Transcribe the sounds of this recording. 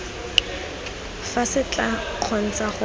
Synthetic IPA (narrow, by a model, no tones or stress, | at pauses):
fasɪt͡ɬʼa | q͡χʰɔn̩t͡saχʊ